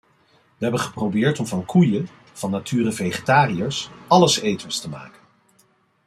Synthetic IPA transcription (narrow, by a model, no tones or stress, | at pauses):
ʋəɦɛbənχə̥prowbɪːɹtɔmvɑnkʰujə | v̥ɑnːatʰyːɾəvejχetaːrijəɹsɑləsejtənstəma̰ːkən